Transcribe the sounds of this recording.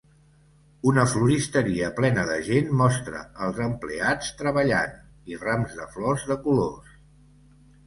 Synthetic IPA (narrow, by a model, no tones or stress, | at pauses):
unəfluɾist̪əɾiəplɛnəðə̰ʒenmɔst̪ɾə̰ːlˠzəmpleat͡st̪ɾəβəʎa̰n | iramzðəflɔzðəkulos